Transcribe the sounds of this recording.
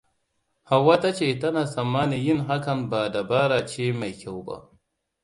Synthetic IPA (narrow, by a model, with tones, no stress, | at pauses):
ha˨wːa˦ta˦t͡ʃeː˨tɐ˦na˨sɐ˨mːaː˦ni˨jɪ˦nɦa˦kɐ˨nbaː˨da˨baː˦ɾaː˨t͡ʃeː˦ma˨jkʲʰa˦wba̰˦˨ʔ